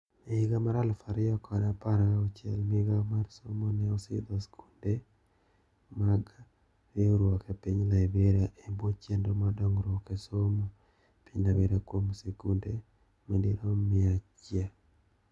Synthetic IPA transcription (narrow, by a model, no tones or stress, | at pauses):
meiɡamaɾalfaɾɪɔkɔdapaɾaɔt͡ʃɛlmiɡamaɾsomɔnɛɔsḭd̪ɔskʰunde | maɡa | ɾeoɾwɔkɛpiɲlaibeɾaʔebot͡ʃendomadɔŋɾɔkesomo | pinaweɾakwomsekunde | mendiɾomɪat͡ʃja